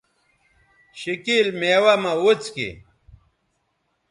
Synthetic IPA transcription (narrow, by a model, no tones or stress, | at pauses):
ɕikilmeːwamɐwut͡skḭ